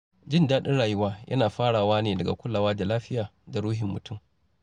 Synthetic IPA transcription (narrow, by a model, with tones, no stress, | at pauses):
d͡ʒɪ˦˨ndaː˦ɗɪ˦nɽaː˨jʊ˦waː˦jʔɐ̰˦naː˨ɸaː˦ɽaː˨waː˦neː˨dɐ˨ɡa̰˨kʷʊ˦lːa˨waː˦da˨laː˦ɸɪ˦jaː˨da˨ɽuː˦ɦɪ˨mːʊ˨tʰʊ˦˨m